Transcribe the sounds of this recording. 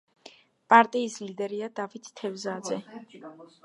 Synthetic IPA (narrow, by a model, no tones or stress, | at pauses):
pʼaɾt̪ʼiːslid̪ɛɾiad̪avit̪ʰt̪ʰːɛvzad̪zɛ